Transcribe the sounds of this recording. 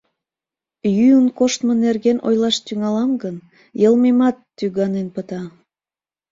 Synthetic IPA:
jyənkoʃt̪mənerɣenʔo̰jlɑʃt̪yŋɑlɑmɡən | jəlmemɑt̪ːyɣɑnenpət̪ɑ

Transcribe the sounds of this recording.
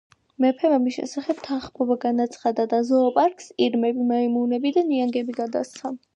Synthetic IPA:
mɛpʰɛamisʃɛ̰saχɛbt̪ʰaχmɔbaɡanat̪sʰχad̪ad̪azɔɔpʼaɾkʼsiɾmɛbimaimunɛbid̪aniaŋɡɛbiɡad̪a̰st̪sʰa

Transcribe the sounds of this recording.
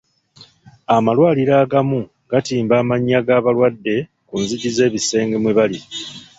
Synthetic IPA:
amalwaːliɾaːɡamu | ɡ̥atiːmbaːmaɲːaɡaːβalwadːe̞ | kunziɟize̞ːβise̞ːŋɡemweβali

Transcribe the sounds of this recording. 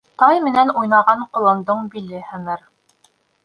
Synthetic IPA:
t̪ɑjmɘ̆nænujnɑʁɑɴqŏlˠɑnd̪ɤɴbilɘhæmɘɾ

